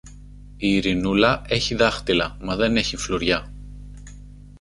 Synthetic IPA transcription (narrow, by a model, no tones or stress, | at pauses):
iːɾinulɐe̞çiðɐxt̪ilɐmɐðe̞ne̞çifloɾʝɐ